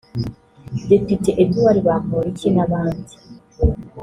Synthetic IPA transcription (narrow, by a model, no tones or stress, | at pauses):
depitiʔebduwaɾiβakoːɾicinaβaːndi